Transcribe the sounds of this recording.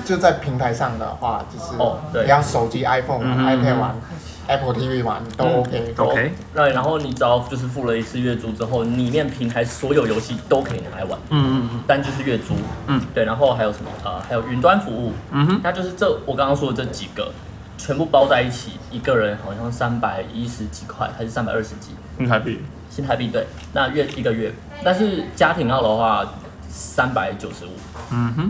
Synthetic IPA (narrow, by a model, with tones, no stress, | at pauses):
t͡ɕo˥˧t͡sa˥˩ɪpʰi˧˥ŋt̪ʰa˧˦ɪʂɑ˥˨˩ŋd̪ə̰˩xwa̰˥˧t͡ɕjo˥˧ʂɻ̩˥˨ɔ˨˩t̪we˥˩˨jɑ˥˨˩ʊʂo˨˩ʊt͡ɕi˥ʔa˥ɪfo˥˩n˨a˧˦pʰɛ˥˩wa̰˨˧˦n | ɛ˥pʰə˨˩t̪ʰi˥vi˥˩wa̰˨˦n˩t̪o˥ʊo˧ʊkʰe˥˦ɪo˥˨ | na˧˥nxo˥˩ʊni˨˩t͡sɑ˥ʊt͡ɕjo˥˧ʊʂ̬ɻ̩˥˧fu˥˩lə˩i˧t͡sʰɹ̩˥˧ɥɛ˥˩t͡su˥ʈ͡ʂɻ̩˥xo˥˩ʊli˨˩mjɛ˥˨˩npʰi˧˥ŋt̪ʰa˧˥ɪswɔ˧˥jo˨˩ʊjo˧˥ʊɕi˥˨t̪o˥ʊkʰe˧˥i˨˩ni˨˩a˧˩ɪwa̰˧˦n˥t̪a˥˧nt͡ɕjo˥˧ʊʂ̬ɻ̩˥˧ɥɛ˥˩t͡su˥˩t̪we˥˩ɪna˧˥nxo˥˧ʊxa˧ɪjo˨˩ʊʂə˧˦mə̰˧˩ʔə˨ha˧ɪjo˨ʊy˧˥nt̪̬wa˥˦nfu˧˥u˥˩˥na˥˧t͡ɕjo˥˧ʊʂ̬ɻ̩˥˧ʈ͡ʂɤ˥˩wɔ˨˩kɑ˥ŋkɑ˥ŋʂwɔ˥d̪ə˨˧ʈ͡ʂɤ˥˩t͡ɕi˨˩ɡ̥ə̰˩ | t͡ɕʰɥɛ˧npu˥˩pɑ˥ʊt͡sa˥˧ɪi˥˩t͡ɕʰḭ˨˩i˧˥ɡə˨ɻə˧˥nxɑ˨˩ʊɕjɑ˥˧ŋsa˥npa˨˩ɪi˥ʂɻ̩˧˦t͡ɕi˨˩kʰwa̰˥ɪtʰa˥ʂ̩˥˩sa˥npa̰˨ɪə˥˩ʂɻ̩˧˦t͡ɕi˨˥˦i˥˨ | ɕi˥nt̪ʰa˧pi˥˧˩t̪we˥˩ɪ | na˥˧ɥɛ˥˩ʔi˧˥ɡə˨ɥɛ˥˩ | t̪a˥˧nʂ̬ɻ̩˥˩t͡ɕja˥t̪ʰi˧˥ŋjɑ˥˩ʊd̪ə˩xwa˥˩ | sa˥npa˨˩˦ɪt͡ɕjo˨˩ʊʂɻ̩˧˦ṵ˨˩˦